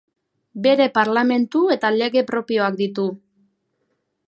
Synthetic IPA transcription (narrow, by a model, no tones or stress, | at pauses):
be̞ɾe̞paɾlame̞nt̪ue̞t̪ale̞ɣe̞pɾo̞pio̞ak̚d̪it̪u